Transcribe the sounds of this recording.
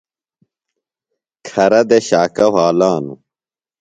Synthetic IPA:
kʰɐɾɐd̪eɕaːkɐɦaːlaːnṵ

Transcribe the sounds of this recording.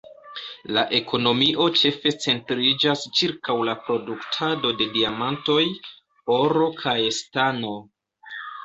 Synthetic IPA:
laʔe̞kʰo̞no̞miʔo̞t͡ʃe̞fe̞t͡se̞ntɾid͡ʒast͡ʃiɾkawlapɾo̞duktʰado̞de̞diamanto̞j | o̞ɾo̞kʰajestano̞

